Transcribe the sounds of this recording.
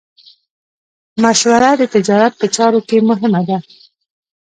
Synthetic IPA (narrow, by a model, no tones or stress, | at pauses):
maʃwaɾad̪ət̪ɪd͡ʒɑɾat̪̚pət͡ʃɑɾokemʊɦɪmad̪a